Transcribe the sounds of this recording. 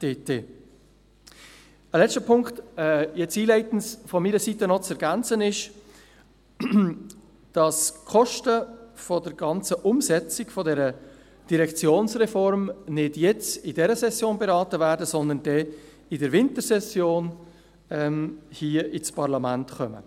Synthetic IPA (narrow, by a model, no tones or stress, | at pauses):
d̥eteː | əlɛstəpʰʊŋktɛjɛt͡siːlɛɪtn̩sfɔmiːɾəsitənɔt͡sɛɾɡænt͡sənɪʃ | d̥ɑskʰɔʃtəfɔdəɾɡ̥ɑnt͡səʔʊmsɛt͡sɪɡfɔdɛɾə | d̥iɾɛkt͡sjoːnsʁɛfɔɾmnɪdjɛt͡sɪdɛɾəsɛsjoːnbeɾɑːtəvæːɾdəsɔnd̪ənd̥ɛ | ɪdəɾvɪntəɾsɛsjoːn | ɛmhiːəɪspʰɑʁlɑmæntχœmə̰